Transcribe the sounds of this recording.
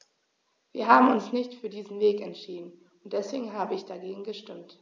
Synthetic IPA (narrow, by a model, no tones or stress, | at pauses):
viːɐɦaːbm̩ʊnsnɪçtfyːɐdiːzn̩veːkɛntʃiːdn̩ | ʊnt̚d̥ɛsv̥eːɡŋ̩ɦaːbəɪçd̥aɡeːɡŋ̩ɡəʃtɪmt